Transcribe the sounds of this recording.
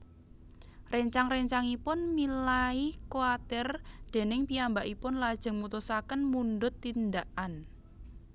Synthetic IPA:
reɲt͡ʃaŋreɲt͡ʃaŋipʊnmilaikoat̪ɪrd̪̥e̤nɪŋpiambaʔipʊnlad̥ʒ̥ə̤ŋmut̪usakənmunɖʊt̪ːind̪aʔan

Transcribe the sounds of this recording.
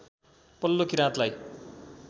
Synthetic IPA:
pʌlːokiɾãt̪laj

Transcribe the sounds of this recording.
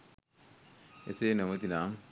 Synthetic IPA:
ḛt̪enəmət̪inaŋ

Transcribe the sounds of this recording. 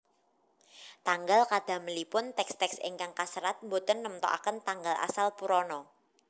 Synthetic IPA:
t̪aŋɡalkad̪̥a̤məlipʊnt̪ɛkst̪ɛksḛŋkaŋkasəɾat̪̚mbot̪ənːəmt̪ɔ̰ʔa̰kənt̪aŋɡalʔa̰salpuɾɔnɔ

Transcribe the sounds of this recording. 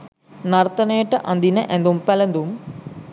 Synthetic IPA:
nɐɾt̪ɐneːʈːɐʔɐnd̪inɐʔend̪umpɛlɐnd̪um

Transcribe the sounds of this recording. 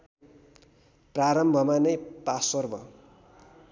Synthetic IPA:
praɾʌmbʱʌmanʌjpasʌrbʱʌ

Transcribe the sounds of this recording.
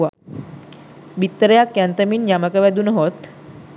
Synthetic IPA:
a | bit̪ːəɾjakjant̪əmiːnjamakaʋad̪uːnɦot̪

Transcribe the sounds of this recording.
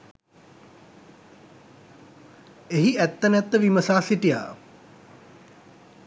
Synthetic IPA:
eɦiæt̪ːənæt̪ːəʋiməsaːsiʈija̰ː

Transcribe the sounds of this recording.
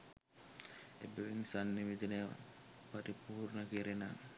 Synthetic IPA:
ebeʋenisanːiʋed͡ʒənejʋa̰ | pɐɾipuːɾnəkeɾena

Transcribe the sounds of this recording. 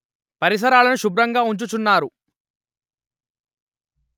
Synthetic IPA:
pɐɾis̬ɐɾaːlɐnuʃubɾɐŋɡaːuɲt͡ʃut͡ʃunːaːɾu

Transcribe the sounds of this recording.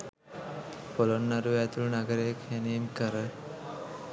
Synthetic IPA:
polonːaɾuæt̪ulunaɡəɾejkʰjænijemkəɾə

